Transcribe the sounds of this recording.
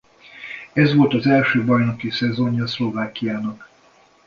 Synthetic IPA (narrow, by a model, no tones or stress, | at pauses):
ɛzʋo̞lt̪ɒzɛlʃøːbɒjno̞kisɛzoɲɒslo̞vaːkːijaːnɒk